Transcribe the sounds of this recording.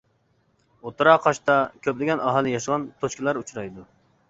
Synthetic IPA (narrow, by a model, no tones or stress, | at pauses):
ot̪ɨɾɑqʰɑʃt̪ɑkʲʰøplɪɡʲɛnɑɦɑlˠɪjɑʃəʁɑnt̪ʰoʃkʲilˠɑɾut͡ʃʰɾɑjd̪u